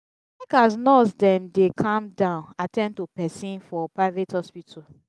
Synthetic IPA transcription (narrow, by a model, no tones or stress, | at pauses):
lɛkasnɔsdɛ̃mdekʰãmdãʊ̃natʰɛ̃ntopɛsĩnfɔpɹaɪvethɔspitʰɔ